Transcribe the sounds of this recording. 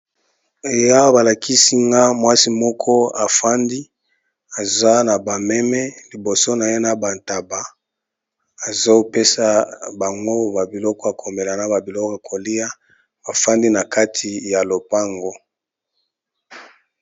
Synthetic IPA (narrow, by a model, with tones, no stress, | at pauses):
e˨ja˦wa˦ba˨la˨kʰi˦si˦ŋɡa˦mwa˦si˦mɔ˦kʰɔ˦a˨fa˦ndi˦ | a˨za˦na˨ba˨mɛ˦mɛ˦li˨bo˨so˦na˨je˦na˨ba˨nta˨ba˨ | a˨zo˦pe˦sa˦ba˨ŋɡo˦ba˨bi˨lɔ˦kɔ˦a˨kʰo˨mbe˨la˨na˦ba˨bi˨lɔ˦ka˨kʰo˨li˦ja˦ | ba˨fa˦ndi˦na˨ka˦tʰi˨ja˨lo˨pa˦ŋɡo˦